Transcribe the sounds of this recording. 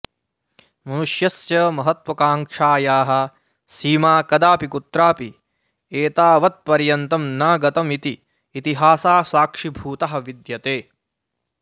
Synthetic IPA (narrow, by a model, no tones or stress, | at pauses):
mɐnuʂjɐsjɐmɐɦɐt̪ʋɐkaːŋʂaːjaːɦɐ̆ | siːmaːkɐd̪aːpikut̪ɾaːpi | eːt̪aːʋɐt̪̚pɐɾjɐnt̪ɐmnaːɡɐt̪ɐmit̪iː | t̪iɦaːsaːsaːkʂibʱuːt̪ɐɦɐ̆ʋid̪jɐt̪eː